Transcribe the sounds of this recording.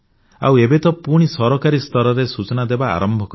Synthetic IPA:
a̰webet̪ɔpuɽ̃isɔɾɔkaɾist̪ɔɾɔɾesut͡ʃɔnad̪eba̰ːɾɔmbʱɔkɔ

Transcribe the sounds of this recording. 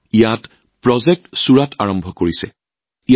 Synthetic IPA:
ijat | pɹɔzɛk̚tsuɹatʰaɹɔmbʱɔkoɹisɛ̰ | i

